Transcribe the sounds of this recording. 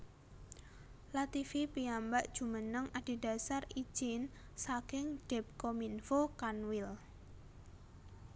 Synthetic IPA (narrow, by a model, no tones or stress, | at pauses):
lat̪ifipiambaʔd̥ʒ̥ṳmənəŋad̥i̤da̤sari̥ʒ̥ɪn | sakɪŋɖ̥ɛp̚kominfokanwɪl